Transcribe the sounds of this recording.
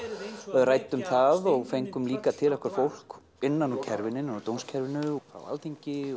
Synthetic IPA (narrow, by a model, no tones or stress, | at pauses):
raːjt̪ːʏmθaðɔɣfejŋkʏmliːkat̪ʰɪlɛhkvaɾfowl̥k | ɪnːanɔcʰɛɾvɪnɪnːanɔt̪ownscʰɛɾvɪnʏfɾa̰wa̰lt̪ʰiɲcɪ